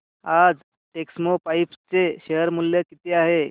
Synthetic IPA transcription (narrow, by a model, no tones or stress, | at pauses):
ad͡z | ʈeksmopaipt͡seɕeɦəɾmulːjəkit̪ʰeaɦe